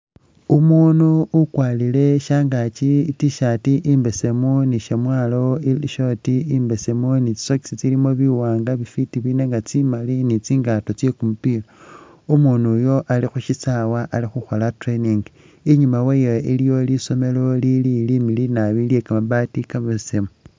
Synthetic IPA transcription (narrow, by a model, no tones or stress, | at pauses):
umunuukwaːlile̞ʃaːŋɡat͡ʃitiʃatiʔimbese̞muniʃemwaːlo̞iiʃotiimbesemunit͡ʃi̥soki̥sit͡silimo̞βiwaːŋɡaβifitiβine̞ŋɡat͡simalinit͡siːŋɡato̞t͡sje̞kumupila | umunujo̞ʔalixuʃisawaʔalixuxo̞latɾeniŋɡ | iɲumawejeilijo̞liso̞me̞lo̞lililimilinaβiljekamaβatikamesemu